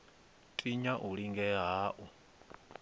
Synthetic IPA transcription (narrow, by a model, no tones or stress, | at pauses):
tʼiɲaʔuɺiŋɡɛɦaːʔu